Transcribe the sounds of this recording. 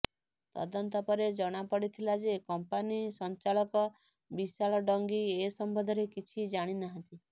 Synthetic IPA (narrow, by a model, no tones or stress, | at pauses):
t̪ɔ̰d̪ɔnt̪ɔpɔɾed͡ʒɔɽ̃apɔɽit̪ʰilad͡ʒekɔmpanisɔnt͡ʃalɔkɔ | bisaɭɔɖɔŋɡiesɔmbʱɔd̪ʱɔɾekit͡ʃʰid͡ʒaɽ̃inaɦɔ̃nt̪i